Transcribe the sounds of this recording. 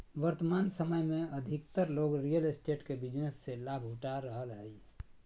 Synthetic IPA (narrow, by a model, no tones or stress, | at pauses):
ʋəɾt̪əmaːnsəməjmẽəd̪ʱɪk̚t̪əɾloɡɾijəlesʈeʈkebid͡ʒnəsːelabʱɦuʈaɾəɦəlɦəi